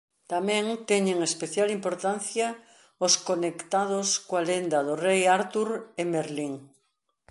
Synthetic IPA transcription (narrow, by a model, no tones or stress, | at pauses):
t̪amɛ̃ŋt̪ɛɲeŋespeθjalimpoɾt̪anθja | ʊskonekt̪aðoskoalend̪ɐðʊrejaɾt̪uɾemeɾliŋ